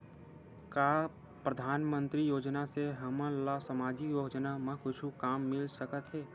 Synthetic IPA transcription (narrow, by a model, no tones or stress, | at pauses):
kaː | pɾəd̪ʱaːnmə̃nt̪ɾijoːd͡ʒnaseɦɐmə̃lasəmaːd͡ʒijoːd͡ʒnamɐ̃kʰʊt͡ʃʰukaːmːɪlsəkət̪ɦɛː